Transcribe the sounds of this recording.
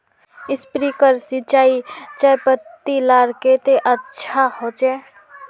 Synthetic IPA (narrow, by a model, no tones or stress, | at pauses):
ɪspɾikəɾsɪt͡ʃaːit͡ʃajpət̪ːilaɾket̪eʔətːʃʰahot͡ʃɛ